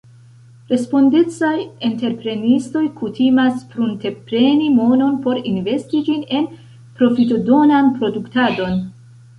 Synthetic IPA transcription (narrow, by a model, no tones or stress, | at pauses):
ɾe̞spo̞nde̞t͡saje̞nte̞ɾpɾe̞nisto̞jkutʰimaspɾunte̞pɾe̞nimo̞no̞npo̞ɾinve̞stid͡ʒine̞n | pɾo̞fitodo̞nanpɾo̞duktado̞n